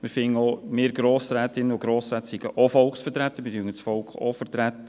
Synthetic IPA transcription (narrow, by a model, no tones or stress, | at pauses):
mɪɾfɪŋəɔmeːɾɡ̥ɾoːsɾæːt̪ɪnəʊɡɾoːsɾæːt̪siɡ̥əʔofɔlkχsfəɾtɾæt̪ːəmɪdyŋəsfɔlkχo̰fəɾtɾæt̪ːə